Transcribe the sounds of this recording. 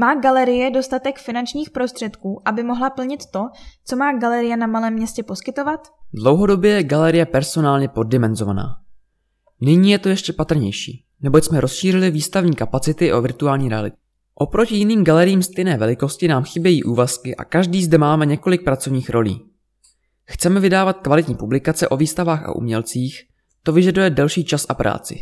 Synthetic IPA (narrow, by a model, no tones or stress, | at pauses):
maːɡalɛɾɪjɛdo̞st̪at̪ɛkfɪnant͡ʃɲiːxpɾo̞st̪r̥ɛt̪kuːʔabɪmoɦlapl̩ɲɪt̪ːo̞t͡so̞maːɡalɛɾɪjɛnamalɛːmːɲɛscɛposkɪt̪o̞vat̪dlo̞wɦo̞do̞bjɛjɛɡalɛɾɪjɛpɛɾso̞naːlɲɛpo̞d̚ːɪmɛnzo̞vana̰ː | nɪɲiːjɛt̪o̞jɛʃcɛpat̪r̩ɲɛjʃḭː | nɛbo̞csmɛɾo̞sʃiːrɪlɪviːst̪avɲiːkapat͡sɪt̪ɪʔo̞vɪɾt̪uaːlɲiːɾɛa̰lɪt̪ | ʔo̞pɾo̞cɪjɪniːmɡalɛɾɪjiːmst̪ɛjnɛːvɛlɪko̞scɪnaːmxɪbjɛjiːʔuːvaskɪʔa̰kaʒdiːzdɛmaːmɛɲɛko̞lɪk̚pɾat͡so̞vɲiːxɾo̞lḭː | xt͡sɛmɛvɪdaːvat̪̚kvalɪt̪ɲiːpublɪkat͡sɛʔo̞viːst̪avaːxa̰ʔṵmɲɛlt͡siːx | t̪o̞vɪʒadujɛdɛlʃiːt͡ʃasʔapɾʔa̰ːt͡sɪ̰